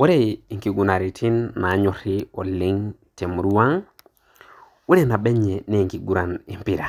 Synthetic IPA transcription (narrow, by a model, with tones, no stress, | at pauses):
wo˦ɾe˦i˨ŋki˨ɡu˨na˨ɾi˨tʰi˦nːa˨ɲo˨ɾi˦o˨lːi˦ŋte˨m˨ɾu˦wa˦ŋ | wu˦ɾe˦na˨be˦ɲe˨ne˦˨ŋki˨ɡu˦ɾa˨ni˨mpi˨ɾa˨